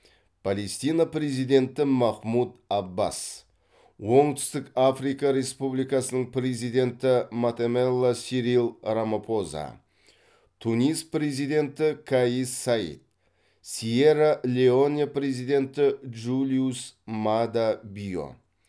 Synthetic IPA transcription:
pʰale̞st̪ijnapre̞zijd̪e̞nt̪ɪmɑχmud̪ɑbːa̰s | wo̞ɴt̪ʰʏ̥st̪ɪkafrijkaɾe̞spublijkɑsənəɴpre̞zijd̪e̞nt̪ɪmat̪emelˠːasiɾilˠɾamapʰo̞za̰ | t̪ʰːunʲijspre̞zijd̪e̞nt̪ɪkʰaisaḭt̪̚ | sieɾalʲeo̞nʲepre̞zijd̪e̞nt̪ɪʒulʲijusmad̪abijo̞̰

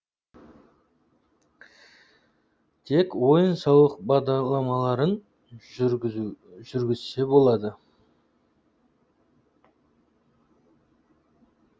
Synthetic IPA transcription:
t̪ʰe̞kwo̞jənsɑwlˠəq̚bɑʁd̪ɑɾlˠɑmɑlˠɑɾən | ʒ̥ʏɾɡʲɪzse̞bo̞lˠɑd̪ə

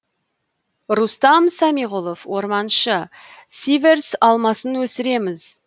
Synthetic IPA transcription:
rust̪ɑmsɑmiʁulˠofwo̞ɾmɑnʃə | sive̞rsɑlˠmɑsənwɵsɪɾe̞mɪz

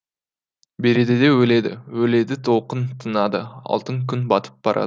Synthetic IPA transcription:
be̞ɾe̞d̪ed̪e̞wɵle̞d̪ɪ̰wɵle̞d̪ɪt̪ʰo̞lˠqənt̪ʰənɑd̪əɑ̰lˠt̪əŋkʲʰʏnbɑt̪ʰə̥p̚b̥ɑɾʔɑ̰

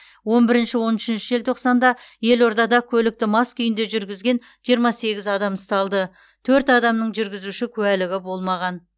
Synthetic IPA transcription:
wo̞nbɪɾɪnʃɪwo̞nʏʃɪnʃɪʒelt̪ʰoqsɑnd̪ɑje̞lo̞ɾd̪ɑd̪ɑkʲʰɵlɪk̚t̪ɪmɑskʏjɪnd̪e̞ʒʏɾɡʲɪzɡʲe̞n | ʒ̥ijəɾmɑse̞ɡʲɪzɑd̪ɑməst̪ɑlˠd̪ə | t̪ʰɵɾt̪ɑd̪ɑmnəɴʒʏɾɡʲɪzuʃɪkʲʰɵælɪɡʲɪbo̞lˠmɑʁɑn

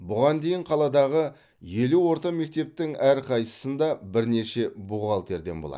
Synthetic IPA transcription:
bʊʁɑnd̪e̞jɪɴqʰɑlˠɑd̪ɑʁə | je̞luwo̞ɾt̪ɑme̞k̚t̪e̞p̚t̪ɪŋæɾqʰɑjsə̥sənd̪ɑbɪɾne̞ʃe̞buʁɑlˠt̪ʰe̞ɾd̪e̞̰nbolˠɑ̰

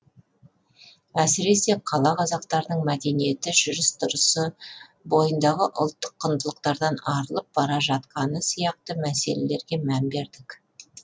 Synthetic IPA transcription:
æsɪɾe̞se̞qʰɑlˠɑqʰɑzɑq̚t̪ɑɾnəɴmæd̪e̞nije̞t̪ɪʒʏɾɪst̪ʰʊɾəsə | bo̞jənd̪ɑʁəʔʊ̰lˠt̪ːəqʰːənd̪əlˠəqt̪ɑɾd̪ɑnɑɾəlˠəp̚bɑɾɑʒɑt̪̚qɑnəsijɑq̚t̪əmæse̞̰le̞̰le̞ɾɡʲe̞mænbe̞ɾd̪ɪk

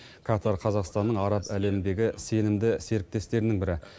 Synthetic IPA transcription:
kʰɑt̪ɑɾqʰɑzɑqst̪ɑnːəɴɑɾɑpæle̞mnd̪e̞ɡʲɪse̞nɪmd̪ɪse̞ɾɪp̚t̪e̞st̪e̞ɾɪnɪŋbɪɾɪ

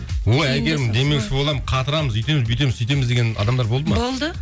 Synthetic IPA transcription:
woæj̪ɡʲe̞ɾmɪnd̪e̞me̞kʃɪbo̞lˠɑmqʰɑt̪əɾɑməzʏjt̪e̞mɪzbit̪e̞mɪzʰʏjt̪e̞mɪzd̪e̞ɡʲenɑ̰d̪ɑmd̪ɑɾbolˠd̪əmɑolˠd̪ə

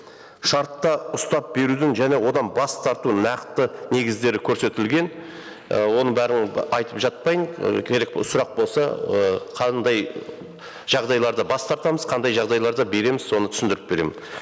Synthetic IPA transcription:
ʃɑɾt̪ːɑʊst̪ɑp̚be̞ɾud̪ɪŋʒæne̞wo̞d̪ɑnbɑst̪ʰɑɾt̪unɑqt̪əne̞ɡʲɪzd̪e̞ɾɪkʲʰɵɾse̞t̪ɪlɡʲe̞n | əwo̞nəbæɾɪnɑjt̪əpʒɑt̪̚pɑjəɴkʲʰe̞ɾe̞k̚sʊɾɑq̚bo̞lˠsɑəqʰɑnd̪ɑj | ʒ̥ɑʁd̪ɑjlˠɑɾd̪ɑbɑst̪ɑɾt̪ɑməzqʰɑnd̪ɑjʒɑʁd̪ɑjlˠɑɾd̪ɑbe̞ɾe̞mɪz̥so̞nət̪ʰʏsɪnd̪ɪɾɪp̚be̞ɾe̞̰mɪn

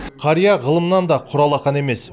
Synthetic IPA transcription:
qʰɑɾijɑʁəlˠəmənɑnd̪ɑqʰʊɾɑlˠɑqɑne̞me̞s

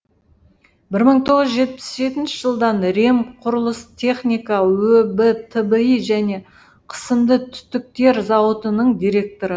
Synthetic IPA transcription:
bɪɾməɴt̪ʰo̞ʁəzəʒe̞t̪̚pɪ̥sʒe̞t̪ɪnʃɪ̥ʒ̥əlˠd̪ɑnɾe̞mqʰʊɾəlˠəst̪ʰe̞χnʲijkɑwɵbət̪ʰəbəiʒæne̞ | qʰə̥səmd̪ət̪ʰʏ̥t̪ɪk̚t̪e̞ɾzɑwət̪ənəɴd̪ijɾe̞k̚t̪o̞ɾə

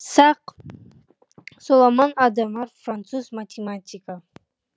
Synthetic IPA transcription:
saq | sulˠamanad̪amarfrant͡s̪ʰuzmatʲʰematʲʰikʼa

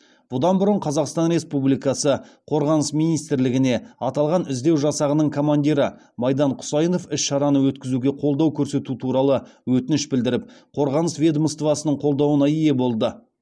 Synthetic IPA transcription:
b̥ʊd̪ɑnbʊɾəɴqʰɑzɑqst̪ɑnɾe̞spublijkɑsəqʰo̞ɾʁɑnəsmijnijst̪ɾlɪɡʲɪne̞ɑt̪ɑlˠʁɑnʏzd̪e̞wʒɑsɑʁənəɴkʰo̞mand̪ʲiɾə | mɑjd̪ɑɴqʰʊ̥sɑjno̞fɪʃʃɑɾɑnəwɵt̪kʲɪzuɡʲe̞qʰo̞lˠd̪ɑwkʲʰɵɾse̞t̪ut̪ʰuɾɑlˠəwɵt̪ɪnɪʃbɪld̪ɪɾɪp̚qʰo̞ɾʁɑnəsvʲed̪məst̪vɑsənəɴqʰo̞lˠd̪ɑwənɑije̞bo̞lˠd̪ə

